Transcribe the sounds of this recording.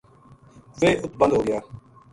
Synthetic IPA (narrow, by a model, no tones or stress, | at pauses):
seːʔʊt̪̚bə̃nd̪ɦoːɡɪjaː